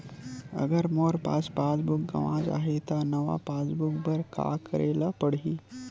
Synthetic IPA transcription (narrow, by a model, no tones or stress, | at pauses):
ə̰ɡəɾmoːɾpaːspaːsbʊk̚ɡɐ̰ʋãːd͡ʒa̰ːɦet̪anɐʋa̰paːsbʊkbəɾka̰ːkəɾʔeːlapəɽiː